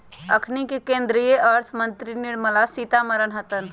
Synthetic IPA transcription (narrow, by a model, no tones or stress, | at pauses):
əkʰnikekẽnd̪ɾijeəɾt̪ʰmənt̪ɾiniɾməlasit̪aməɾənɦət̪ən